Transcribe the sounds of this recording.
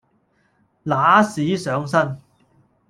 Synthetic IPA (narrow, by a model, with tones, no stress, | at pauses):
laː˨˥siː˨˥sœː˨˥ŋsɐ˥n